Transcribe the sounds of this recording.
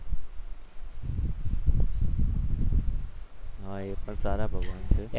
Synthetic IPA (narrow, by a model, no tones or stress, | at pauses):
ɦãːeːpənsaːɾaːbʱəɡʋaːnt͡ʃʰɪ